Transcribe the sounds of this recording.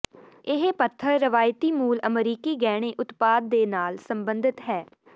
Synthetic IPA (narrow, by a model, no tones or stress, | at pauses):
ɪɦpət̪ʰːəɾːəʋaːjt̪iːmuːləmɾiːkiːɡɛːɽ̃ẽːʔʊt̪paːd̪̚ːeːnaːlsəmbənd̪ɪt̪ɦɛː